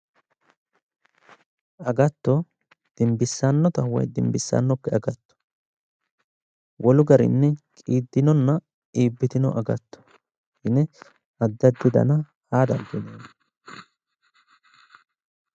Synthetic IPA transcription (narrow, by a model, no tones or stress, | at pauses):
ʔɐɡɐt̪ːɔ | d̪̥ɪmbɪsːanːɔt̪ɐhʊwɔ̰jd̪ɪmbɪsːa̰nːɔkːɛɐɡɐt̪ːɔ̥ | wʔɔlʊɡɐɾɪ̰nːɛkʼiːd̪ːɪnɔnːɐ | iːbːɪt̪ɪnɔ̰ʔɐɡɐt̪ːɔ̥ | hɪnɛ | ɐd̪ːɐd̪ːɪd̪ɐ̰nɐ | haːd̪ɐnd̪ɪneːn